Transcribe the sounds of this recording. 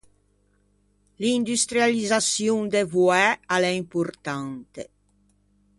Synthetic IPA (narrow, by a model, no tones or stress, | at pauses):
lind̪yst̪ɾjalizasjuŋd̪evuɛalɛimpuɾt̪ant̪ḛ